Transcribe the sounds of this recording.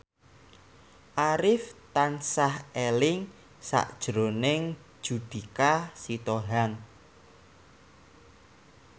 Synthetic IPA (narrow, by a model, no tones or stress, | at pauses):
ʔaɾɪft̪ansahelɪŋ | sa̰ʔd̥ʒ̥ɾonɪŋ̥ | ʒ̥ud̪̥i̤kasit̪oɦaŋ